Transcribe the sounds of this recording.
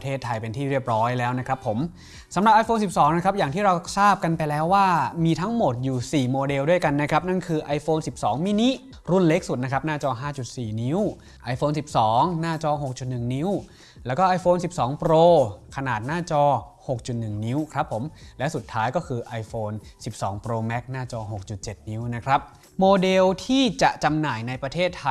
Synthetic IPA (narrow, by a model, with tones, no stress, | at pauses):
t̪ʰeː˥˩t̪ʰːa˧jpe˧nt̪ʰiː˥˩ɾi˥˩əp̚ɾɔː˦˥jlɛː˦˥wna˦˥kʰɾa˦˥pʰːo˩˦m | sa˩˦mɾa˨˩ʔa˧jfoː˧nsi˨˩p̚sɔː˩˦ŋna˦˥kʰɾa˦˥p̚jaː˨˩ŋt̪ʰiː˥˩ɾa˧wsaː˥˩p̚ka˧npa˧jlɛː˦˥waː˥˩miː˧t̪ʰa˦˥ŋmo˨˩t̪̚juː˨˩siː˨˩moː˧de˧wdu˥˩əjka˧nːa˦˥kʰɾa˦˥p̚na˥˩nkʰɯː˧ʔa˧jfoː˧nsi˨˩p̚sɔː˩˦ŋmiː˦˥ni˦˥ʔ | ɾu˥˩nle˦˥k̚su˨˩t̪̚na˦˥kʰɾa˦˥p̚naː˥˩t͡ɕɔː˧ɦaː˥˩t͡ɕu˨˩t̪̚siː˨˩ni˦˥w | ʔa˧jfoː˧nsi˨˩p̚sɔː˩˦ŋnaː˥˩t͡ɕɔː˧ɦo˨˩k̚t͡ɕu˨˩t̪̚nɯ˨˩ŋni˦˥w | lɛː˦˥wkɔː˥˩ʔa˧jfoː˧nsi˨˩p̚sɔː˩˦ŋpɾoː˧kʰa˧naː˨˩t̪̚naː˥˩t͡ɕɔː˧ho˨˩k̚t͡ɕu˨˩t̪̚nɯ˨˩ŋni˦˥wkʰɾa˦˥pʰːo˩˦mlɛ˦˥su˨˩t̪ʰːaː˦˥jkɔː˥˩kʰɯː˧ʔa˧jfoː˧nsi˨˩p̚sɔ̰ː˩˦ŋpɾoː˧mɛ˦˥k̚naː˥˩t͡ɕɔː˧ɦo˨˩k̚t͡ɕu˨˩t̪̚t͡ɕe˨˩t̪̚ni˦˥wna˦˥kʰɾa˦˥p̚ | moː˧de˧wt̪ʰiː˥˩t͡ɕa˨˩ʔt͡ɕa˧mnaː˨˩jna˧jpɾa˧t̪ʰeː˥˩t̪ʰːa˧